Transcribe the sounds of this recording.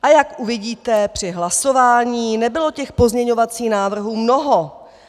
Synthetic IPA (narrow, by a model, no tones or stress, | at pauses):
ʔajakʔuvɪɟiːt̪ɛpr̝̥ɪɦlaso̞vaːɲiːnɛbɪlo̞cɛxpo̞zɲɛɲo̞vat͡siːxnaːvr̩ɦuːmno̞ɦo